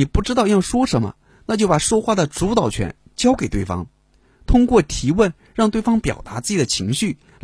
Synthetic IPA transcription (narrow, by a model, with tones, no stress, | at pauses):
i˨˩pu˥˩ʈ͡ʂɻ̩˥t̪ɑ˥˧ʊjɑ˥˩ŋʂwɔ˥ʂə˧˥nmə̰˧ | na˥˧t͡ɕjo˥˩pa˨˩ʂwɔ˥xwa˥˩d̪ə˩ʈ͡ʂu˧˥t̪ɑ˨˩ʊt͡ɕʰɥɛ̰˧˥n | t͡ɕjɑ˥ʊke˨˩ɪt̪we˥˩ɪfɑ̰˥ŋ | t̪ʰʊ˥ŋkwɔ˥˩t̪ʰi˧˥wə˥˧˩n | ɻɑ˥˧ŋt̪we˥˩ɪfɑ˥ŋpjɑ̰˨˩ʊt̪a˧˥t͡sɹ̩˥˩t͡ɕi˨˩d̪ə˦˩t͡ɕʰi˧˥ŋɕy˥˩